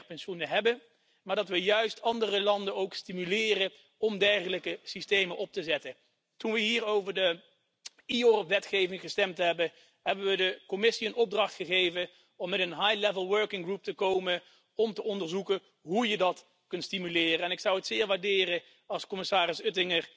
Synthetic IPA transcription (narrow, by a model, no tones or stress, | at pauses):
pɛnʃunəɦɛbə | maːɹdɑtʋəjœɥstɑndərəlɑndənowkstimylɪːrə | ɔmdɛrχələkəsistejmənʔɔp̚təzɛtə | tunʋəɦiːɹowvəɹdə | iorəpʋɛtχejvɪŋχəstɛmtɦɛbən | ɦɛbənʋədəkɔmɪsiənɔb̚drɑχtχəχejvən | ɔmːɛtənɦajlɛvəlˠʋøɹkɪŋɡrup̚təkowmən | ɔmtəɔndəɹzukə | ɦujədɑt | kɵntstimylɪːrəɛnɪksʌwɦətsɪːɹʋaːɹdɪːrə | ɑlˠskɔmɪsaːrɪsɵtɪŋər